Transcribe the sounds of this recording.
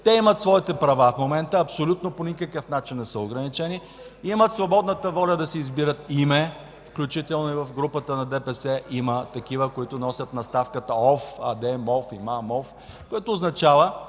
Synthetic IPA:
t̪ɛimət̪svɔit̪ɛpɾɐvafmomɛnt̪əɐpsolʲut̪̚noponʲikəkəfnat͡ʃinːɛsəoɡɾɐnit͡ʃɛni | imət̪svobɔd̪nət̪əvɔlʲɐd̪ɐsɛizbiɾət̪imɛ | fklʲut͡ʃit̪ɛlˠnoivɐfɡɾupət̪ənɐd̪ɛpɛsɛʔimət̪ɐk̟ivəkoit̪ʊnɔsʲɐt̪nɐst̪afkət̪əɔfad̪ɛmɔfimamɔf | koɛt̪oːznɐt͡ʃavə

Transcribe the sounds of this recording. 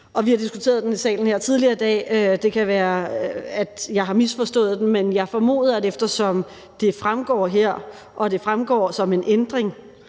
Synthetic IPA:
ɒ̽ʋihɑ̈d̥isɡ̥ut͡sʰe̝̰ːɐð̞ˠd̥enisɛ̰ːln̩heɐ̰t͡sʰið̞ˠliɐːd̥ɛ̰ːød̥e̝kʰæʋæːɐæd̥jɑ̈ɪɦɑ̈misfɒ̽sd̥ɔ̰̽ːð̩ˠd̥emmenjɑ̈ɪfɒ̽mo̝̰ːð̩ˠæɾefd̥ɐsɒ̽m | d̥e̝fʁamɡ̥ɒ̰ːɦeɐ̰ | ʔɒ̽d̥e̝fʁamɡ̥ɒ̰ːsɒ̽me̝nʔend̥ʁeŋ

